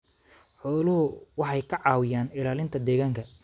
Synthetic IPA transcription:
ħɔːlʊɦʊwɑħɑjkʰɐʕɑːwɪjaːnɪlaːlɪnt̪ʰɐd̪ɛːɣaːŋkʰɐ

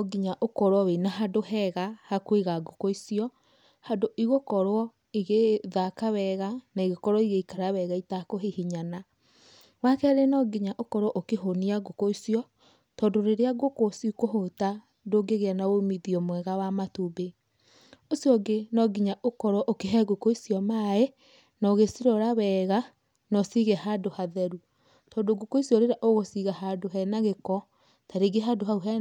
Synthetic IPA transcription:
ɔɡiɲaʔokɔɾwɔwenaɦadohɛɣahakweɣaɡokoisiɔ | hadoʔiɣokɔɾwɔ | iɣeðakawɛɣanaiɣokɔɾwɔiɣeikaɾawɛɣaitakoɦehiɲana | wakɛɾenɔɡiɲaʔokɔɾwɔʔokeɦoniaɡokoisiɔ | tɔdoɾeɾeaɡokosikoɦota | doɡeɣeanawomiðiɔmwɛɣawamatube | osiɔɡenɔɡiɲaʔokɔɾɔʔokeɦɛɡokɔisjɔmae | nɔɣesiɾɔɾawɛːɣa | nɔsiɣɛhadohaðɛɾu | tɔːdoɡokoisjɔɾeɾaʔoɣosiɣaɦadoɦɛnaɣekɔ | taɾeɡeɦaːdoɦauɦɛ

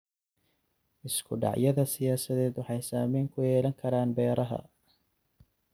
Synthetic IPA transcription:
ʔɪskʰʊɖɑ̰ʕjɐðɐsɪjaːsɐðɛːd̪wɑħɑjsaːmɛːŋkʰʊjɛːlɐŋkʰɐɾaːnbɛːɾɐɦɐ̰

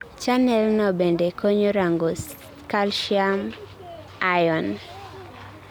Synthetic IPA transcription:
t͡ʃanɛlnɔbendekoɲoɾaŋɡos | kalʃiam | ajɔn

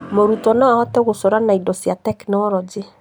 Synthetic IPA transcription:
moɾutɔnɔaɔtɛɣosɔɾanaidɔsiatɛknɛɔɾɔd͡ʒe

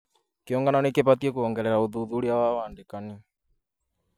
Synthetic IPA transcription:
keɔŋɡananekeβatiɛkuɔŋɡɛɾɛɾaoðuðuɾiawawaːndekani

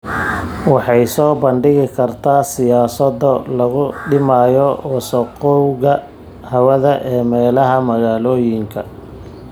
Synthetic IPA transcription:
wɑħɑjsɔːbɐɳɖɪɣɪkʰɐrt̪ʰaːsɪjaːsɐdɔlɐɣʊɖɪmaːjɔɔːsɐqɔwɣɐ | hɐwɐðɐʔɛːmɛːlɐɦɐmɐɣaːlɔːjɪŋkʰɐ

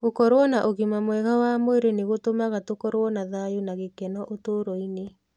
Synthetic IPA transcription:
okɔɾwɔnaʔoɣimamwɛɣawaːmoeɾeneɣotomaɣatokɔɾwɔnaðajunaɣekɛnɔʔotoːɾɔine

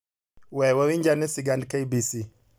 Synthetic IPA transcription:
wɛwaɾiɲd͡ʒanisiɡandkajbisi

